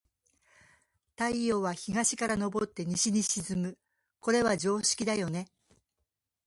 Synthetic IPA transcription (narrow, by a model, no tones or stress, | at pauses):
t̪aio̞ːβaçiɡaɕi̥kaɾano̞bo̞t̪ːe̞ɲ̟iɕiɲ̟iɕizɨmɯ̟ | ko̞ɾe̞βaʑo̞ːɕi̥kʲid̪ajo̞ne̞